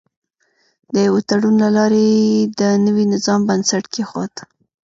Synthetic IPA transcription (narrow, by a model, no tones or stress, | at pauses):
d̪əjawet̪aɽunlalɑɾed̪ənəwinɪzɑmbansaʈkexwɑ̰t̪